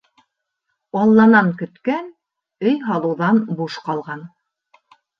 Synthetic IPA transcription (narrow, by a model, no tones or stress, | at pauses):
ɑlˠːɑnɑŋkɵ̆t̪kæn | ɵjɦɑlˠɤ̆wðɑnbuʃqɑlˠʁɑn